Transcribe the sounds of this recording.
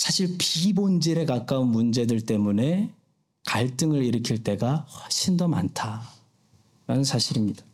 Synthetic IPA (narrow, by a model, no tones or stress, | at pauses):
sʰaɕʰiɭpibond͡ʑiɾe̞kak͈aunmund͡ʑe̞dɯɭt͈e̞mune̞ | kaɭt͈ɯŋɯɾiɾɯkʰiɭt͈e̞ɡaɸwaɕʰindʌma̰ntʰa | ɾanɯnsʰaɕʰiɾimɲid̥ḁ